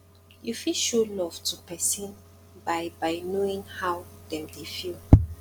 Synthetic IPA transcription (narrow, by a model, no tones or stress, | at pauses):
jufilʃɔlɔv̥tʰupɛsĩn | bajbajnoĩŋhawdɛ̃mdefil